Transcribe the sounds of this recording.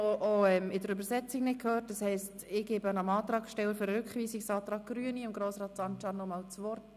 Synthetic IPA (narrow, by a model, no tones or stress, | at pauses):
oʔɔɛmɪdəɾʏbəɾsɛt͡siŋnɪt̚kʰøːɾt̚dəshɛɪstɪɡ̥eːbənɑmɑːt̪ɾɑːkʃtɛləføɾɾʏkχʋiːsiksɑːt̪ɾɑːɡ̚ɡ̥ɾyəniɪmɡ̥ɾoːsrɑːt̪sɑnt͡ʃɑnːɔmɑːlt͡sʋɔrt